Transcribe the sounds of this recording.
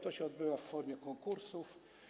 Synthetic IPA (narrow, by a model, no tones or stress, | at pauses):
t̪ɔɕɛɔd̪̚bɘwafːɔɾmʲjɛkɔŋkuɾsuf